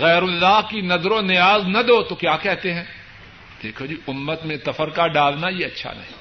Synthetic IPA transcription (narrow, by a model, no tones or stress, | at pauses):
ɣɛːɾʊlːaːɦkinɐzɾõnɪjaːznɐd̪oːt̪okjaːkɛɦt̪eɦɛ̃ː | d̪̥eːkʰod͡ʒiʊmːət̪mẽt̪ɐfəɾkaɖaːlnajeɐtːʃʰa̰nɐ̰ɦĩ